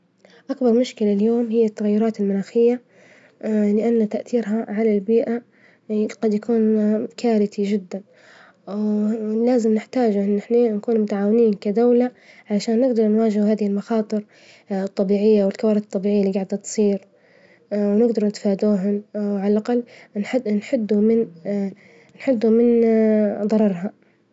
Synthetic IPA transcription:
ʔakbɑɾˤmʊʃkɪlaljoːmhɪjːat̪ːaɣajːʊɾˤɑːt̪ɪlmʊnaːxɪjːa | lɪʔanːt̪aʔθiːɾɦaʕalalbiːʔa | ɡ̥ɑd̪jakuːnkʰaːɾɪt̪id͡ʒɪd̪ːan | laːzɪmnɪħt̪aːd͡ʒʔɪnːɪħnenakuːnmʊt̪aʕaːwɪniːnkad̪awla | ʕalaʃaːnːɪɡd̪ɑɾˤnwaːd͡ʒɪhhaːðɪhɪlmɑxɑːt̪ˤɨɾ | t̪ˤːɑbiːʕɪjːawɪlkawaːɾˤɪd̪t̪ˤːɑbiːʕɪjːalːiːɡaʕd̪at̪sˤiːɾ | wnɪɡd̪ɑɾˤnɪt̪faːd̪uːɦʊnwʕalalʔaqɑlːnħnħʊd̪ːumɪn | nħʊd̪ːumɪn | d̪ˤɑɾˤɑɾˤɦa

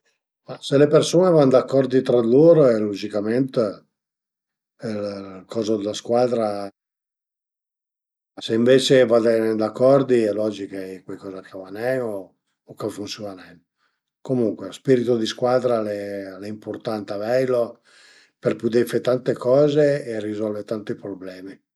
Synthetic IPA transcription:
maselepersoːnevand̪akːɔrd̪it̪ɾad̪iloːɾoɛlod͡ʒikament̪ | lkɔːzod̪elaskwaːd̪ɾa | aseiɱveːt͡ʃevad̪ɛnd̪akːɔrd̪iɛlɔːd͡ʒikaɛkwajkɔːzakavanɛno | okafunsjonanɛn | komuŋkwespiɾit̪od̪iskwaːd̪ɾalɛlɛimport̪ant̪avɛjlo | perpud̪efet̪ant̪ekɔːzeːrːizɔlvet̪ant̪ipɾoblɛːmi

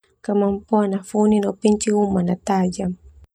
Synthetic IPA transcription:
kamam̩pɔanafuninaupiɲt͡ʃiumanataʄa

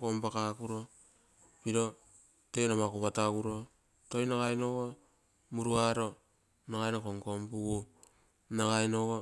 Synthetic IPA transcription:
kompakakuɾo̞ | piɾo̞ | te̞nomakoβatakuɾo̞ | tojnaɡajnoɡo | muɾuaɾo̞ | naɡajnokoŋkompuɡu | naɡajnoɡo

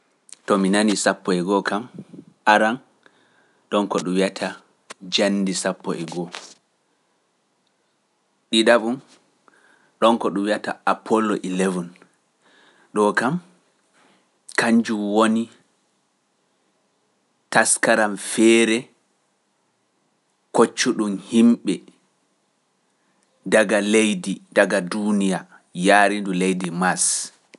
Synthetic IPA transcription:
tɔminanisapːɔɛɡɔkam | ʔaɾan | ɗɔnkɔɗumwiatʰa | d͡ʒanːdisapːɔ̰ʔɛɡɔ | ɗidabun | ɗɔnkɔɗumwiataapʰːɔlːɔʔilevɔn | ɗɔkam | kaɲd͡ʒumwoni | taskaɾamfɛːɾɛ | kot͡ʃːuɗumhimɓɛ | daɡalejdidaɡadunija | jaːɾindulejdimas

